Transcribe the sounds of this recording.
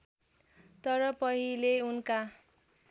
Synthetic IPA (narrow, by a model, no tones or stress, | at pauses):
t̪ʌɾʌpʌɦileunka